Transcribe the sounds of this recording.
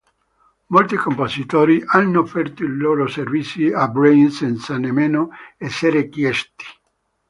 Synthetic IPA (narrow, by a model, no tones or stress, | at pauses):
molt̪ikompozit̪oːɾiʔanːoofːɛrt̪oiloːɾoservit̪sːiabɾejnsɛnt̪sanemːenoɛsːeɾekjɛst̪i̥